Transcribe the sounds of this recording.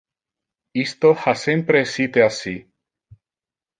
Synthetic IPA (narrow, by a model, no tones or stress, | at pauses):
ist̪ohasempɾesit̪easi